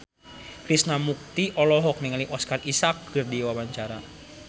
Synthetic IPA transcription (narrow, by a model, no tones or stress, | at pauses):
kɾisnamuk̚t̪iʔɔlɔɦɔk̚niŋaliʔɔskarisak̚ːɨrdiwawaɲt͡ʃaɾa